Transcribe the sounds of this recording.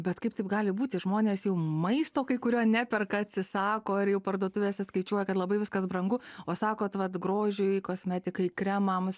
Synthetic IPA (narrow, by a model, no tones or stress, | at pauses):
bʲɛt̪kɐɪpt̪ɐɪpɡɑːlʲɪbuːt̪ʲɪʒmoːnʲeːsjɛʊmɐɪst̪oːkɐɪkʊɾʲoːnʲɛpʲɛrkɐɐt̪ʲsʲɪsɑːkoːɪɾjɛʊpɐrd̪uɔt̪ʊʋʲeːsʲɛskɐɪt͡ʃʲuɔjɛkɐt̪lˠɐbɐɪʋʲɪskɐsbɾɐŋɡʊoːsɑːkoːt̪ʋɐt̪ɡɾoːʒʲʊɪkoːsʲmʲɛt̪ʲɪkɐɪkɾʲɛmɐms